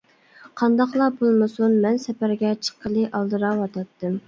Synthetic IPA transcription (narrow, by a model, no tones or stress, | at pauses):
qʰɑnd̪ɑqlˠɑbolˠmɨsunmɛnsɛpæɾɡʲɛt͡ʃʰə̥qːəlˠɨʔɑlˠd̪ɨɾɑwɑt̪ʰɑt̪ːɨm